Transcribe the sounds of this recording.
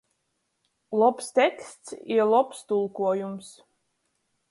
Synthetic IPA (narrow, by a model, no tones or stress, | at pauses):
lˠɔpst̪ʲɛkst̪siɾlˠɔpst̪ulˠkuɔjums